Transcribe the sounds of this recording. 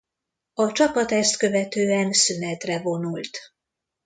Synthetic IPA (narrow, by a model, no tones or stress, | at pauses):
ɒt͡ʃɒpɒt̪ɛst̪kø̞vɛt̪øːɛnsynɛt̪rɛvo̞nult̪